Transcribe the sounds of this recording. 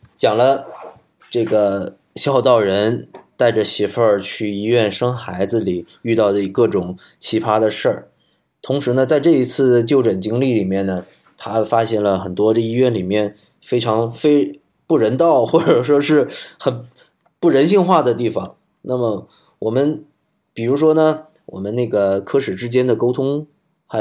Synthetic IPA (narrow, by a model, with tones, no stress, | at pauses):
t͡ɕjɑ˨˩ŋlə˦ | ʈ͡ʂɤ˥˩ɡə˩ | ɕjɑ˥˧ʊt̪ɑ˥˩ʊɻə˧˥nt̪a˥˩ɪʈ͡ʂə˩ɕɛ˧˥fə˥˧t͡ɕʰy˥˩i˧˥ɥɛ˥˩nʂɤ˥ŋxa˧˥ɪd͡zɹ̩˧li˨˩˦ | y˥˧t̪ɑ˥˩ʊd̪ə˩i˨˥˩kɤ˥˩ʈ͡ʂʊ˨˩˦ŋ | t͡ɕʰi˧˥pʰa˥d̪ə˨ʂə˥˩ | t̪ʰʊ˧˥ŋʂɻ̩˧˥nə˧t͡sa˥˧ɪʈ͡ʂɤ˥˩i˧˥t͡sʰɹ̩˥˩t͡ɕjo˥˩ʊʈ͡ʂə˨˩nt͡ɕi˥ŋli˥˩li˨˩mjɛ˥˩nnə˩ | t̪ʰa˥fa˥ɕjɛ˥˩nlə˩xə˨˩nt̪wɔ˥ə˧i˥ɥɛ˥˩nli˨˩mjɛ˥˩n | fe˥ɪʈ͡ʂʰɑ˧˥ŋfe˥ɪ | pu˥˩ɻə˧˥nt̪ɑ˥˩ʊxwɔ˥˩ʈ͡ʂə˨˩ʂwɔ˥ʂɻ̩˥˩xə˨˩n | pu˥˩ɻə˧˥nɕi˥˧ŋxwa˥˩d̪ə˩t̪i˥˩fɑ˨˩˦ŋ | na˥˩mə˩ | wɔ˨˩mə˦n | pi˨˩ɻu˧˥ʂ̬wɔ˥nə˨ | wɔ̰˨˩mə˦na˥˩ɡə˩kʰɤ˥ʂɻ̩˨˩ʈ͡ʂɻ̩˥t͡ɕjɛ˥nd̪ə˨ko˥ʊt̪ʰʊ˥ŋ | xa˧˥